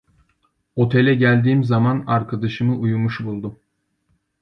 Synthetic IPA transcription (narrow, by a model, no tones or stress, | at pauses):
o̞t̪ʰe̞lʲɛɟælʲd̪iːmzamanaɾkʰad̪aʃɯmɯʔujumuʃbulˠd̪u